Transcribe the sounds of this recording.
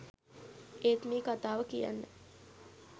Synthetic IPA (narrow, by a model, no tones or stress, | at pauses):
eːt̪miːkat̪aːʋəkija̰nːə